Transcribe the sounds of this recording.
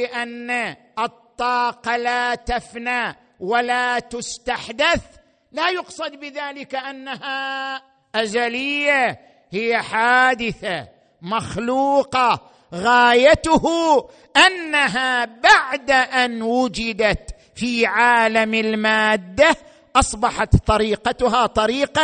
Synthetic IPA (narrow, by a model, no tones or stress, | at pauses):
ɪʔanːa | ʔɨt̪ˤːɑːqɑlat̪afna | walat̪ʊst̪aħd̪aθ | lajʊqsˤɑd̪bɪðaːlɪkaʔanːaha | ʔad͡ʒalɪjːa | hɪjːaħaːd̪ɪθa | maxluːqɑ | ɣaːjat̪ʊhu | ʔanːaɦabaʕd̪aʔanwʊd͡ʒɪd̪at̪ | fiːʕaːlamɪlmaːd̪ːa | ʔɑsˤbɑħɑt̪t̪ˤɑɾiːqɑt̪ʊɦaːt̪ˤɑɾiːqɑ